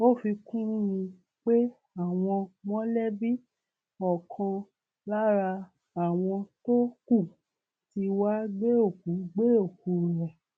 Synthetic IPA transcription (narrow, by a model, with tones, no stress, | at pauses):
o˦˨fi˧kũ˦mĩ˧ | k͡pe˦ | a˦˨w̃ɔ̃˧mɔ̃˦lɛ˦bi˦ | ɔ˨kʰã˧ | la˦ɾa˧ | a˨w̃ɔ̃˧to˦ku˦˨ | ti˧wa˦ɡ͡be˦o˦˨ku˨˦ɡ͡be˦o˦˨ku˨˦˨ɾɛ˨